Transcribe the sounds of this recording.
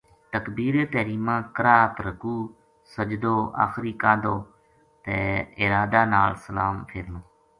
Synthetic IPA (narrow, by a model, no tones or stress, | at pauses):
t̪əkbiːɾeːt̪əːɾiːmãːkəɾaːt̪ɾəkuː | səd͡ʒd̪oːa̰ːxɾiːkãːd̪oː | t̪eːɪɾaːd̪aːnaːlsəlaːmpʰɪːɾnõː